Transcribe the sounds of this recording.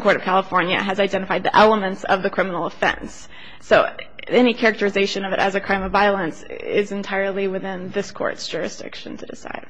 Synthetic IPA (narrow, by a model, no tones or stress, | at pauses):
kʰɔɹɾʌv̥kʰælˠəfɔɹnjɨ̰ɨzaɪdɛ̃ñɨfaɪd̪̚ðiʔɛlˠəmɨ̃ntsʌ̰vðɨkʰɹ̥ɪ̃mənl̩ˠəfɛ̰̃nsː | oʊ | ɛñikʰɛɹɨk̚tə˞ɨzeɪʃɨ̃nʌvɨɾʔɨ̰zɨkʰɹ̥ãɪ̃mʌvaɪl̩ˠə̃nsɪ̰zɨ̃ntʰaɪə˞lˠiwɨθɪ̃nðɪskʰɔ̰ɹtsd̥ʒ̥ʊɹɨ̰sd̥ɪ̰kʃɨ̰̃n̩tʰɨdɨsa̰ɪd̥